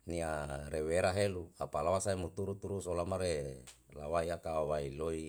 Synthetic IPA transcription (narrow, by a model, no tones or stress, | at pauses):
niaɾeweɾaɦeluapalawasaimut̪uɾut̪uɾusolamaɾe | lawaiakaawailoi